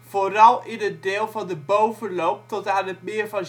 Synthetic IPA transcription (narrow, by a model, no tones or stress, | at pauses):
forɑlˠɪnət̚dɪːlˠvɑndəbowvəlowp̚tɔtaːnət̚mɪəɹvɑn